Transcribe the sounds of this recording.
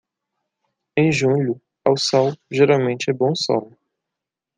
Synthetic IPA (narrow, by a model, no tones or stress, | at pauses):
ẽj̃ʒũʎʊ | awsɔwʒeɾawmẽnt͡ʃɪɛbõw̃sɔ̰w